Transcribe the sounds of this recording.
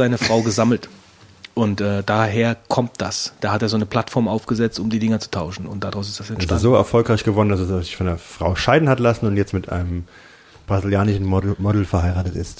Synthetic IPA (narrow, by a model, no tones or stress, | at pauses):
zaɪnəfʁ̥aʊɡəzaml̩t | ʔʊntʔɛːd̥aːɦeːɐkʰɔmt̚d̥asd̥aːhateːɐzoːnəpl̥atfɔɐmʔaʊfɡ̥əzɛt͡stʊmdiːdɪŋɐt͡su̥tʰaʊʃn̩ʊntd̥aʁaʊs̬ɪ̥std̥asɛntsazoːɛ̰ɐfɔlkʁaɪçɡ̥əvɔdndasɛszɪçfɔndeːɐfʁ̥aʊʃaɪdn̩hatlasn̩ʊntjɛt͡stmɪtʔa̰ɪnəm | b̥ʁaziljaːnɪʃn̩mɔdl̩fɛɐhaɪʁaːtətɪst